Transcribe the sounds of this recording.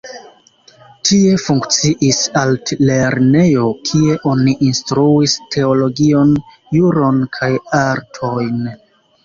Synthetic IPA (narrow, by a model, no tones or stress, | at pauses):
tʰie̞fuŋkt͡siʔisalle̞ɾne̞jo̞kʰie̞ʔo̞niʔinstɾuistʰe̞olo̞ɡio̞n | juɾo̞nkʰajaɾtʰo̞jn